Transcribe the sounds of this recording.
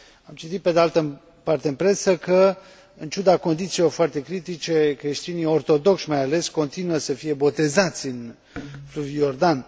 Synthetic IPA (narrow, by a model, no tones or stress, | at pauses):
amt͡ʃit̪it̪̚pe̞d̪ealt̪ə | part̪eɨnpɾe̞səkə | ɨnt͡ʃud̪ako̞nd̪it̪silo̞rfoart̪e̞kɾit̪it͡ʃe̞kɾe̞ʃt̪inio̞rt̪o̞d̪o̞kʃmajale̞sko̞nt̪inuəsəfije̞bo̞t̪e̞zat̪sʲɨn | fluvijo̞rd̪an